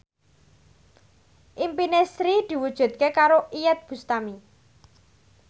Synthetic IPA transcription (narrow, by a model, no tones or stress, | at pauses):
ʔimpinesɾid̪̥i̤wud̥ʒ̥ṳd̪̚kekaɾoʔijɛt̪̚b̥ṳst̪ami